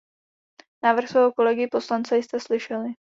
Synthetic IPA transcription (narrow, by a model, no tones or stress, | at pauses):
naːvr̩xsvɛːɦoko̞lɛɡɪpo̞slant͡sɛjst̪ɛslɪʃɛlɪ